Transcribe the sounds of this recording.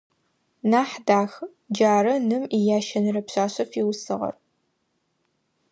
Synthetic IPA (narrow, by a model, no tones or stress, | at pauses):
naːħdaːx | d͡ʒaːɾɐnɨmijaːʃɐnɨrɐpɕaːɕɐfiwsɨ̰ʁɐ̰r